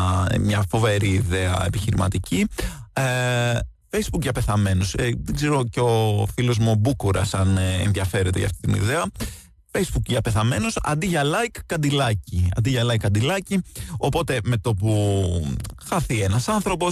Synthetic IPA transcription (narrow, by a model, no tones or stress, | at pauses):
mɲɐfo̞ve̞ɾiːðeɐ̰e̞̰piçiɾimɐ̰t̪ici | fejzbukʝɐpe̞θɐme̞nosðeɡze̞ɾo̞ceo̞filo̞zmubukuɾɐsɐnḛnðʝɐfe̞ɾe̞t̪e̞ʝɐ̰ft̪i̥t̪inḭðeɐ | fe̞jzbukʝɐpe̞θɐme̞nosɐ̰nd̪iʝɐlɐjkːɐnd̪ilɐciɐ̰nd̪iʝɐlɐikːɐnd̪ilɐcio̞po̞t̪e̞me̞t̪o̞p̬u | xɐθienɐsɐnθɾo̞po̞s